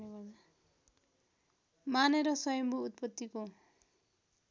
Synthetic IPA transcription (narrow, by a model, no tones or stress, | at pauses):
maneɾʌsʌjʌmbuːt̪̚pʌt̪ːiko